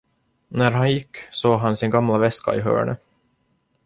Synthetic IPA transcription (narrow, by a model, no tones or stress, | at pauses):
næɾɦanjɪkːsoːɡɦansɪnɡamlavɛska̰ɪɦœ̰ːɳə